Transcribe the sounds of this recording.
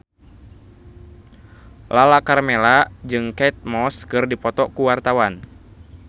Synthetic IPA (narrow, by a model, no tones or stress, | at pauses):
lalakarmelad͡ʒɨŋkɛt̪̚mɔskɨrdipɔt̪ɔkuwart̪awan